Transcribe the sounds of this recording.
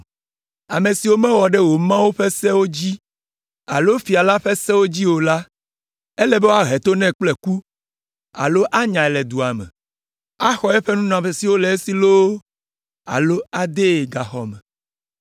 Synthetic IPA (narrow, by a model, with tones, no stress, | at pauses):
a˨mẽ˨si˨wo˦mɛ̃˦wɔ˨ɖe˦wo˨mã˦wo˦ɸe˦sɛ˦wo˦d͡ʑi˦ | a˨lo˦fi˨a˨la˦ɸe˦sɛ˦wo˦d͡ʑi˦wo˨la˦ | e˦lɛ˨be˦wo˦a˦˨ɦe˨t̪o˦nɛ̃˦k͡ple˨ku˦ | a̰˨lo˦ʔa˦ɲã˨ɛ˨lɛ˨d̪u˨a˨mɛ̰̃˨ | a˦xɔ˦ɛ˦ɸe˦nũ˦nã˨ɸe˨si˨wo˦le˨e˦si˨lo˦ | a̰˨lo˦a˨d̪e˦˨ɡa˨xɔ̰˨mɛ̰˨